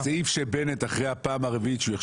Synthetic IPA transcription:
seifʃebenet̪aχʁejhapaːmaʁevitʃujeχ

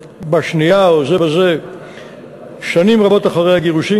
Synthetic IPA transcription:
baʃnijaozebeze | ʃanimʁabo̞t̪aχaʁejhaɡeʁuʃi

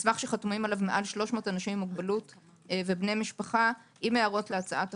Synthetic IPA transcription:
svaχʃeχatumimalavmeʔalʃlo̞ʃmo̞ːtanaʃimimːuɡbalut | vebnejmiʃpaχa | imeaʁo̞tleat͡saʔat

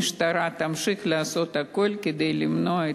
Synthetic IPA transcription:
ʃt̪ɐɾɑːt̪ɐmʃɪxlʲɛsot̪ɐkolʲkʲɪd̪ɛɪlʲɪmnoː

